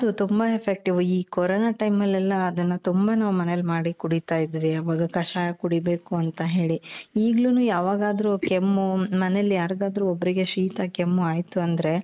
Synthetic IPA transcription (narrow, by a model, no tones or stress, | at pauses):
ɐd̪ut̪umbɐepʰek̚ʈiʋuiːkɔɾonaːʈɐjmɐlːɛlːɐːd̪ɐnːɐt̪umbɐnaːʋumɐnelːmaːɽikuɽit̪aːjid̪ːiʋiɐʋaːɡɐkɐʂaːɐkuɽibe̞ːkuɐnt̪ɐɦe̞ːɭiiːɡlunuːjaːʋaːɡaːd̪ɐɾukemːumɐnelːijaːɾid̪aːd̪ɐɾuobːɐɾiɡe̞ʃiːt̪ɐkemːuaːjt̪uɐnd̪ɐɾe̞